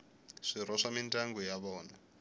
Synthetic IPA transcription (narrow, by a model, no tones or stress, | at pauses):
ʂiraʂamintʼaŋɡujaβɔːna